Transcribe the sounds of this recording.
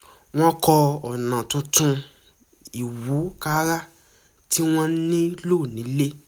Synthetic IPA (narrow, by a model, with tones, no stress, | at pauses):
w̃ɔ̃˦kɔ˧ɔ˨nã˨tũ˧tũ˧ | i˨wu˨˦ka˦ɾa˦ | ti˦w̃ɔ̃˦nĩ˦loː˦˨nĩ˨˦le˦